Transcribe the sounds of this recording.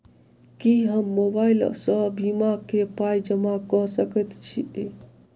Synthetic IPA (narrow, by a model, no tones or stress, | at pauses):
kiɦəmːobailsəbimakepajd͡ʒəmakəɦsəkɛt̪t͡ʃʰie